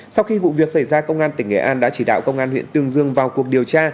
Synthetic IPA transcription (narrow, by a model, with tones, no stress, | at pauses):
sa˧wxi˧vṵ˧˨vi˨˩ək̚sa˧˩jzaː˧kə˧wŋ͡mʔaː˧nt̪ï˧˩ŋ̟ʔḛ˧˩ʔaː˧nɗa̰ː˧˥t͡ɕi˧˩ɗa̰ː˧˨wkə˧wŋ͡mʔaː˧nhwḭ˧˨nt̪ɨ˧əŋzɨ˧əŋvaː˨˩wku˨˩ək̚ɗi˨˩əwt͡ɕaː˧